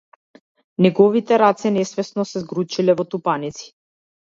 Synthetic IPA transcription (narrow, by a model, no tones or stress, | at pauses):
nɛɡɔvit̪ɛɾat̪sɛnɛsvɛsnɔsɛzɡɾut͡ʃilɛvɔt̪upanit̪si̥